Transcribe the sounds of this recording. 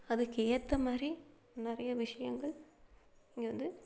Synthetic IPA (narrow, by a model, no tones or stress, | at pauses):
ɐðɯkeːɾt̪ːɐmaːdɾi | nɪrɐjɐʋɪʂɐjɐŋɡɐɭ | ɪŋɡeʋɐnd̪ɯ